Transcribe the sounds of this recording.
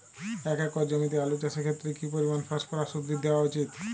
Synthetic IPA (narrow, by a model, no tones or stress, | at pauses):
ɛkɛkːɔɾd͡ʑomit̪̬ealut͡ɕaʃekʰet̪ːɾekipoɾimanfaʃkɔɾaʃod̪ɾid̪eoaut͡ɕit̪